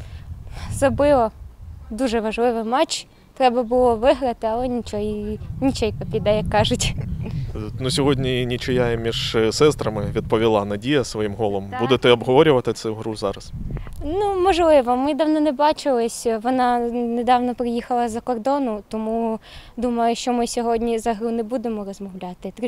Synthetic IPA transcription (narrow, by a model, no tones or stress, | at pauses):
zɐbɪʋɔd̪uʒɛʋɐʒlˠɪʋɪmɑt͡ʃ | t̪ɾɛbɐbʊlˠɔʋɪɦɾɐt̪ɪɐlˠɛnʲit͡ʃɔjnʲit͡ʃɛjpɐpʲid̪ɛjɐkːɑʒʊtʲ | nusʲɔɦodʲnʲinʲit͡ʃʊjajɪmʲiʒsɛst̪ɾɐmɪʋʲid̪̚pɔʋʲilˠɑnɐdʲijɐsʋɔjimɦɔlˠɔmbud̪ɛt̪ɛɐbɦɔʋɔɾʲʊʋɐt̪ɪt̪sɛɦɾuzɑɾɐsnumɔʒlˠɪʋɔmɪd̪ɑwnɔnɛbɑt͡ʃɪlˠɪsʲʋɔnɑned̪ɑwnɔpɾɪjixɐlˠɐzɐkɔrd̪ɔnʊt̪ɔmud̪umɐjʊʃt͡ʃɔmɪsʲɔɦɔdʲnʲizɐɦɾunɛbud̪emɔrɔzmɔwlʲɑt̪ɪt̪